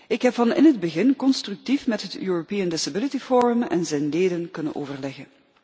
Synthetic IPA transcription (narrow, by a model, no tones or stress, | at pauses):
ɪkɦɛpfɑnɪ̰nɦədbəɣɪnkɔnstrʉk̚tifmɛtɦətʰjyːropiəndɪsabɪlitifoːɹʏmɛ̰nzɛjnleːdənkɵnə̰nʔo̰ːvərlɛɣən